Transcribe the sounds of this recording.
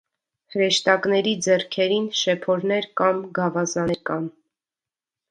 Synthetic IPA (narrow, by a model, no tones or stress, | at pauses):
həɾɛʃt̪ɑknɛɾid͡zɛrkʰɛɾinʃɛpʰɔɾnɛɾkɑmɡɑvɑzɑɛɾkɑn